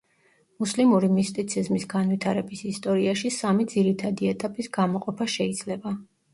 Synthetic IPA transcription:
muslimuɾimist̪ʼit̪sʰizmisɡanwit̪ʰaɾɛbisist̪ʼɔɾiaʃisamid̪ziɾit̪ʰad̪iɛt̪ʼapʼisɡ̥amɔqʼɔpʰaʃɛid̪z̥lɛba

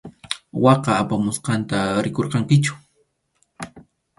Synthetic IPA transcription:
wɑqɑapamʊsqɑnt̪aɾɪkoɾqɑŋkɪt͡ʃʊ̥

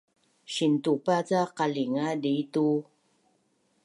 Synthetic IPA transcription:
ɕintupat͡saqaliŋaditu

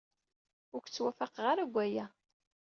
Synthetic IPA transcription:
ʊɾçt͡sːwæfaqʁaɾaɡʷːæjæ

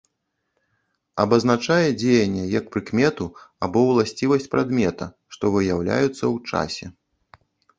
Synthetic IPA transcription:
ɐbɐznat͡ʂajɛd͡zʲejɐnʲːɛjɐk̚pɾɨkmʲɛt̪uabɔwlˠasʲt͡sʲivɐsʲt͡sʲpɾad̪mʲɛt̪ɐ | ʂt̪ɔvɨjawlʲa̰jut̪sːɐwt͡ʂa̰sʲɛ

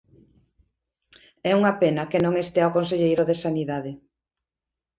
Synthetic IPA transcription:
ɛuŋɐpenɐkenõŋest̪eaokons̬eʎejɾoðesaniðaðɪ

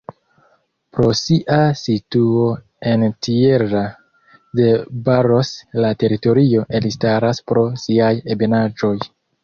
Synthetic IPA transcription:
pɾo̞siʔasituo̞ | e̞ntie̞ɾa | de̞baɾo̞slate̞ɾito̞ɾio̞ʔe̞listaɾaspɾo̞siaje̞benad͡ʒo̞j

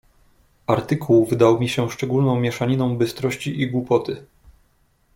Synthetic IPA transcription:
aɾt̪ɘkʰuwvɘd̪awmʲiɕɛʂt͡ʂɛɡulnɔ̃w̃mʲjɛʂaɲinɔ̃w̃bɘst̪ɾɔɕt͡ɕiʔiɡwupɔt̪ɘ

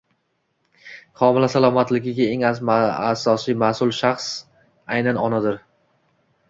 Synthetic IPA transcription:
χɒmɪlasalˠɒmat̪lɪɡʲɪɡʲaeŋazma̰sɒsijmasʊlˠʃaχs | ajnanɒnad̪ɪɾ

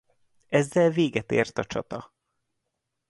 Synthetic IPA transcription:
ɛzːɛlveːɡɛt̪ḛːrt̪ɒt͡ʃɒ̰t̪ɒ

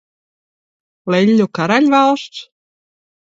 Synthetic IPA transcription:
lejlʲːokʰaɾalʲvaɔst̪

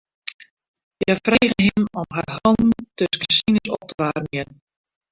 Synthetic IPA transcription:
jafreːɣənɦɪmɔmɦarɦɔlˠn̩tøskə̥sinəsɔp̚tʰəʋaːrmiən

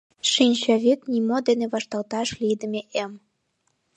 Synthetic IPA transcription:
ʃinʲɕɑβit̪nimod̪eneβɑʃt̪ɑlt̪ɑʃlijd̪ə̆mʲeʔem

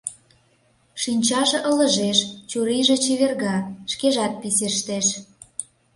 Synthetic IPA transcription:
ʃinʲt͡ɕɑʒĕʔə̆lə̆ʒeʃt͡ɕuɾiʒĕt͡ɕeβerɣɑʃkeʒɑt̪̚piseʃt̪eʃ

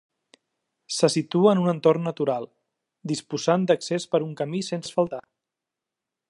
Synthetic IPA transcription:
səsit̪uəːnunənt̪ornːət̪uɾalˠ | d̪ispuzand̪əksespəɾuŋkəmisensfəlˠt̪a

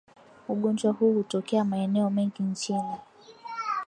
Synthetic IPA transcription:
uɠɔnd͡ʒwahuːhutɔkɛamaɛnɛɔmɛŋɡiɲt͡ʃini

